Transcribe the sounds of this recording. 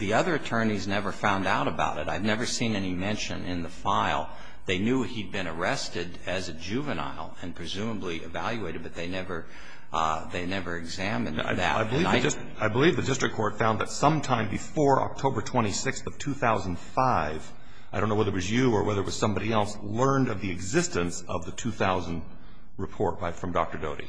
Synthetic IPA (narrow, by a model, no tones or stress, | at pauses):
ðiʌðə˞ɨtʰɜ̃˞niznɛvə˞fãʊ̃ndaʊɾɨba̰ʊɾɨ̰ɾaɪvnɛvə˞sĩnɛnimɛ̃nʃɨ̰̃nʔɪ̃nðəfaɪlˠ | ðeɪnjʉid̚bɨ̃ñə˞ɛstɨɾ | ɨzɨd͡ʒʉvɨna̰ɪlˠɨ̃npʰɹ̥ɨzʉ̃məbliʔɨ̰væ̰lˠjʉeɪɾɨd̚bʌt̪̚ðeɪnɛvə˞ | ðeɪnɛvə˞ɨɡzæmɨ̃na̰ɪðɨ̰taɪb̃linaɪs | aɪbəlivðɨdɪstɹ̥ɨkʰːɔɹtfãʊ̃nðɨtsʌ̃mtʰãɪ̃mbɨfɔɹɑ̰k̚tʰoʊbə˞tʰw̥ɛ̃ɾ̃isɪksθʌv̥tʰʉθaʊzə̃n̩d̥faɪv̥ | aɪdõʊ̃noʊwəðət̚ʔ̚wʌzjɨə˞wɛðə˞ət̚wʌz̥sʌ̃mbɑɾiɛlˠs | lɜ̃˞ndʌvðiɨɡzɪstɨ̃ns | ʌvðɨtʰʉθaʊzə̃n̩ | ɹɨpʰɔɹt̚b̥aɪfɹʌ̃mdɑk̚tə˞doʊɾḭ